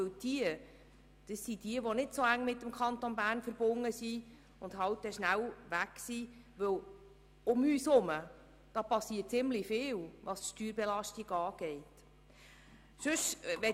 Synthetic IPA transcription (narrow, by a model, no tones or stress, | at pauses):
ɵwd̥iə | d̥əsːidiəʋonɪdsoæŋːmɪtːmkʰχɑnt̪onbæːrnfəɾb̥ʊnːəsi | ʊnd̥ɦɑwt̚ːɛʃnæwʋæksiʋɵw | ʊmyːsʊmə | d̥ɑpɑsiːət̚t͡sɪmlifɪːlʋɑsʃtyːɾbɛlɑʃtiɡɑːɡ̥ɛɪt | ʃɵʃʋɛ